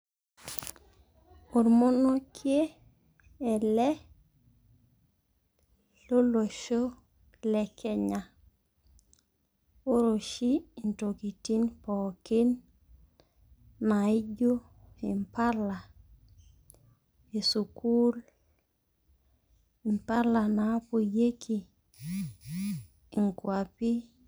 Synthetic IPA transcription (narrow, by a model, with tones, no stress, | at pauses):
o˨ɾmo˦no˦kʰje˦ | ɛ˨lɛ˦ | lo˦lo˨ʃo˦ | lɛ˨kʰɛ˦ɲa˨ | o˦ɾo˨ʃi˦˨nto˨ki˨ti˦npɔke˦n | a˨i˦d͡ʒo˦ | i˨mpa˦la˨ | e˨su˨ku˦l | i˨mpa˦la˨na˨˦po˨je˦kʰi˨ | ŋkwa˨pi˦